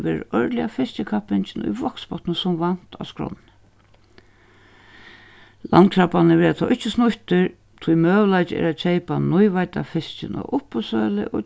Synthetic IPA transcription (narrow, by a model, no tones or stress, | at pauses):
ʋɛːɾɪ̰ɾœɹt̪lɪa̰fɪst͡ʃɪkʰapɪnt͡ʃɪnʊ̰jvɔkspɔt̪nəsʊmvan̥t̪ʰa̰skɾɔ̰nn | la̰nt̪̚kʰɾapanɪʋɛːɾat̪ʰɔːʔɪht͡ʃːɪsnʊht̪ɪɾ | t̪ʰujmœːʋlajt͡ʃɪɛ̰ɾat͡ʃʰejpanʊjʋajt̪a̰fɪst͡ɕɪnɔ̰ʊhpʊsœːlɪ̰ʔɔ